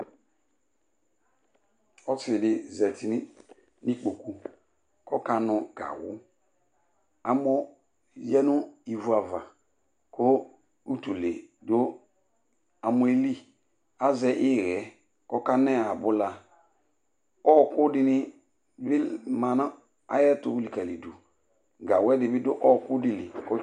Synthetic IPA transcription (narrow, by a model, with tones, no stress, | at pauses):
ɔ˦tɪ˨ɪ˨dɪ˨zɛ˨tʰi˨n˦ | nĩ˦k͡po˨ku˨ | kɔ˦ka˨nʊ̃˨ɡ̥a̰˨wʊ̰˦ | a˨mɔ˦ | jɛ˦nʊ˦i˨vu˨˦a˨va̰˨ | kʰo˦ | u˦tu˨le˨do˦ | a˨mu˦e˦li˦ | a˦zɛ˨ʔɪ˦˨ɾɛ˨˦ | kɔ˦ka˦nɛ˦a˨bʊ˦la˧ | ɔ˦kʊ˦dɪ˦nɪ˦ | bɪ˦ma˨na˦ | a̰˨jɛ˦tu˨u˦li˨ka˨li˨du˨ | ɡa˨wɛ˦dɪ˨bɪ˦dʊ˦ʔɔ˦˨kʊ˦di˨li˨kɔ˦